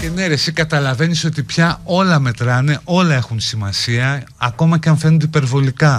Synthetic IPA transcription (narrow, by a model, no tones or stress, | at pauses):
cene̞ɾe̞sikɐt̪ɐlɐve̞niso̞t̪ipçɐo̞lɐme̞t̪ɾɐne̞ʔo̞lɐe̞xunsimɐsiɐː | ko̞mɐceɐnfe̞nund̪eipe̞ɾvo̞likɐ